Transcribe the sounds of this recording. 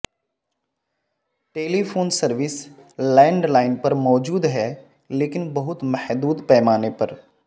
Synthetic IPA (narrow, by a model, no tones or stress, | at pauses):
ʈeːliːfʰoːnsɐɾʋɪslɛ̃ːɳɖlaːɪnpɐɾmɔːd͡ʒuːd̪ɦɛː | leːkɪnbɐɦʊt̪mɛhd̪uːd̪pɛːmaːnepɐɾ